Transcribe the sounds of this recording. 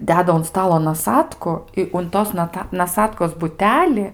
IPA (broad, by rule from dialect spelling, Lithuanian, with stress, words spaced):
ˈdʲæːdɐ ʊn ˈstɑːlˠoː nɐˈsɑːtkʊ ɪ ʊn ˈtoːs nɐˈtɐ nɐˈsɑːtkoːs bʊˈtʲæːlʲɪ